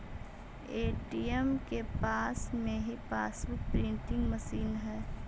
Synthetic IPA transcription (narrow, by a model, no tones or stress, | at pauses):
eːʈiɛmkepaːsmẽɦipaːsʋʊk̚pɾɪ̃ɳʈɪ̃ŋɡməsiːnɦɛː